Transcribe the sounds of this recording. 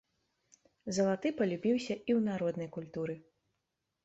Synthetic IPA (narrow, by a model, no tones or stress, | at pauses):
zɐlˠat̪ɨpɐlʲubʲiwsʲɐʔiwnaɾɔd̪nɐjkulʲt̪uɾɨ